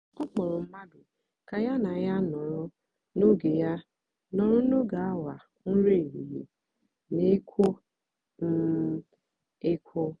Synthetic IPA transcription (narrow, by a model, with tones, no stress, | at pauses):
ɔ˦k͡pɔ˨ɾʊ˨m̩˦ma˦dʊ˨ | ka˨ja˦na˨ja˦nɔ˨ɾʊ˦ | no˦ɡe˨ja˦ | nɔ˨ɾʊ˦no˦ɡa˨a˦wa˨ | n̩˦ɾe˦˨ɾi˨jḭ˨ | ne˦kʰʷo˦ | n̩˦ | e˦kʰʷo˦